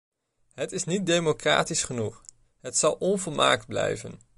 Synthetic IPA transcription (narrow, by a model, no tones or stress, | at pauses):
ɦətɪsnit̚dejmokra̰ːtisχənuχ | ɦətsɑlˠɔnvolˠma̰ːkd̚blɛ̰jvən